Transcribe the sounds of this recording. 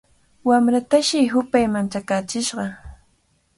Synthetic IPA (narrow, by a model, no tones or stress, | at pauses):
wamɾat̪aʃɪɦʊpajmant͡ʃakaːt͡ʃɪʃɢɑ